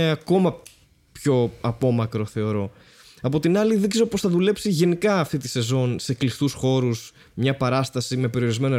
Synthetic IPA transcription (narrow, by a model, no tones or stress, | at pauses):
eɐko̞mɐ | pço̞ɐpo̞mɐkɾo̞θe̞o̞ɾo̞ | ɐpo̞t̪inɐliðikse̞zopo̞sθɐðule̞psiʝe̞nikɐːft̪it̪i̥se̞zo̞nse̞klift̪usxo̞ɾus | mɲɐpɐɾɐst̪ɐsime̞pe̞ɾio̞ɾizme̞no